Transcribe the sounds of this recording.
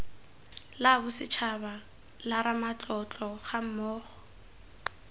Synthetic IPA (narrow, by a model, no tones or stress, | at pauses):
labʊsɪt͡ʃʰaba | laɾamat͡ɬʼɔt͡ɬʼɔχam̩mɔːχɔ̥